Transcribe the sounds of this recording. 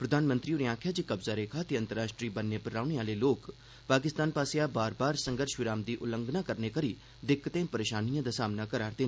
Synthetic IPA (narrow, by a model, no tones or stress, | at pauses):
pɾəd̪ʱaːnmə̃nt̪ɾioɾiãːkʰjaːd͡ʒeːkəbzaːɾeːkʰaːt̪eə̃nt̪əɾaːʃʈɾiːbənːepəɾaːʊneaːleːloːk | paːkɪst̪aːnpaːsejabaːɾbaːɾsə̃ŋɡəɾʃʋɪɾaːmd̪iːʔʊlə̃ŋɡnaːkəɾneːkəɾiː | d̪ɪkːt̪ẽːpəɾeːʃaːnijãːd̪aːsaːmnakəɾaːɾd̪e